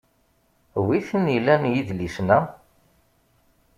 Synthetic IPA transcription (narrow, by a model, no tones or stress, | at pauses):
wiθənilːænjiðlisnæ